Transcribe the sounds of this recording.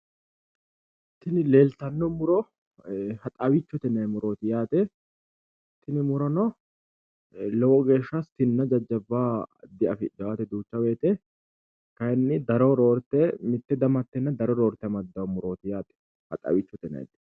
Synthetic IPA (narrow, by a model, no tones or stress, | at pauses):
t̪ːɪnɪle̞ːlt̪ɐnːɔmʊɾɔ | hɐt̪ʼɐwɪt͡ʃːɔt̪ɛnɐjmʊɾo̞ːt̪ɪjaːt̪ɛ | t̪ːɪnɪmʊɾɐnɔ | lɔwɔɡe̞ːʃːast̪ɪnːɐd͡ʒɐd͡ʒːɐbːaːd̪ɪɐfɪd͡ʒɐaːt̪ɛd̪uːt͡ʃːɐweːt̪ʼɛ | kɐjɛnːɪd̪ɐɾɔɾoːɾt̪ːɛmɪt̪ːɛd̪ɐmɐt̪ːɛnːɐd̪ɐɾɔɾo̞ːɾt̪ːɛmɐd̪ːɐwɐmʊɾo̞ːt̪ɪjaːt̪ɛ̥ | hɐ̰t̪ʼɐ̰wɪt͡ʃːɔt̪ɛnɐ̰j̰t̪ɪ̥